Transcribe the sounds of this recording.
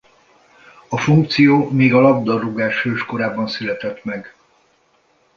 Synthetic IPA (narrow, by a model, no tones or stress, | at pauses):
ɒfuŋk̚t̪sijoːmeːɡɒlɒbd̪ɒrːuɡaːʃøːʃko̞ɾaːbɒnsylɛt̪ɛt̪mɛɡ